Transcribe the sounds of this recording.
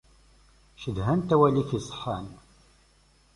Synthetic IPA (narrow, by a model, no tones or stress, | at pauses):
ʃəðɦænt̪æwæliçisˤə̥ħːɑn